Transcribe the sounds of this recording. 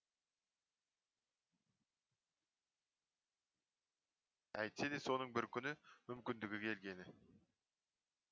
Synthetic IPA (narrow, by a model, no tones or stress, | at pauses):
æjt̪sed̪eso̞nəɴbɪɾkʲʰʏnɪmʏmkʲɪnd̪ɪɡʲɪkʲʰe̞lɡʲe̞nɪ